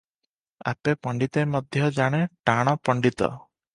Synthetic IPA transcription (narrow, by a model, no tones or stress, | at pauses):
a̰pepɔɳɖit̪emɔd̪ʱjɔd͡ʒaɽ̃eʈaɽ̃ɔpɔɳɖit̪ɔ̰